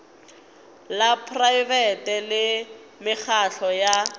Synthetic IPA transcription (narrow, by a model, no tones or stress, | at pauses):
lapʰrajvɛtɛlɪ | mɪk͡xʰaɬɔja